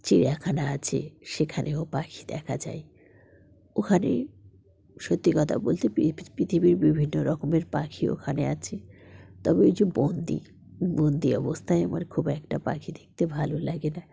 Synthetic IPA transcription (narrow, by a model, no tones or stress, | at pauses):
t͡ɕiɾakʰanaat͡ɕʰḛʃekʰanʔeopakʰi̥d̪ɛkʰad͡ʑa̰e | okʰanḛ | ʃot̪ːikɔt̪ʰa̰bolt̪ʰeppɾit̪ʰibiɾbibʱinːoɾɔkomeɾpakʰio̰kʰaneat͡ɕʰet̪ɔbeojd͡ʑobond̪ḭ | bond̪iɔbost̪ʰaeama̰ɾkʰubɛkʈapa̰kʰid̪ek̚t̪ebʱalolaɡena